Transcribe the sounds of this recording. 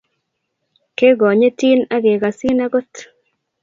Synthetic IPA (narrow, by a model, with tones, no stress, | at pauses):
ke˦ɡɔ˨ɲe˦ti˦na˦ɡe˨ɡa˨si˦na˦ɡo˦t̪